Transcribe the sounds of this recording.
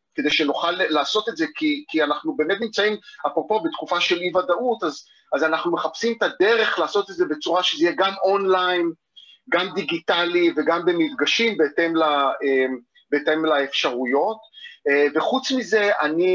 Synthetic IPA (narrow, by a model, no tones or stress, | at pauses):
ke̞d̪e̞jʃe̞nuχalːaːso̞t̪e̞tze̞kikianaχnubeːnetnimt͡saimapʁo̞po̞bet̪kufaʃe̞livad̪aʔut̪az | azanaχnumeχapsimet̪ad̪e̞ʁe̞χlaːso̞t̪etze̞be̞t͡suʁaʃezijeɡamʔo̞nlajn | ɡamd̪iɡit̪aliveɡambe̞mit̪ɡaʃimbeet̪e̞mlaem | beːtemlaefʃaʁujo̞tːve̞χut͡smize̞ʔani